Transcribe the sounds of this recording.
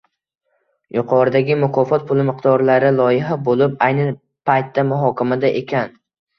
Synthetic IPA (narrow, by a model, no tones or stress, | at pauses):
jʊqʰɒɾd̪aɡʲɪmʊkʰɒfɒt̪̚pʰʊlˠɪmɪqd̪ɒɾlaɾɪlˠɒjɪɦabolɪpajnɪ | pʰajt̪ːamʊɦɒkʲamad̪aʔekʲʰan